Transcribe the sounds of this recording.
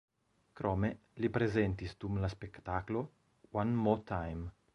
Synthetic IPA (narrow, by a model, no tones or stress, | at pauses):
kɾɔme | lipɾezent̪isd̪umlaspekt̪aklo | wanmɔt̪ʰajm